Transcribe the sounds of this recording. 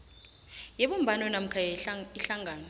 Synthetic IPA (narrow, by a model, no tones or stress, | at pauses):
jeɓum̩bʱanɔnam̩kʰajiɬaŋʱaːnɔ